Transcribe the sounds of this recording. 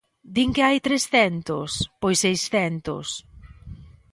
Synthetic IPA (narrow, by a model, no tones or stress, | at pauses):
d̪iŋkɪajt̪ɾesθɛnt̪ʊspojsejsθɛnt̪ʊ̰s